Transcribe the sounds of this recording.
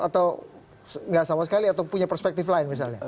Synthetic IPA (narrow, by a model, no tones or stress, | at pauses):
at̪aw | sŋɡaʔsamasə̥kaliat̪awpuɲapərspɛk̚t̪ɪflaɪnmis̬alɲa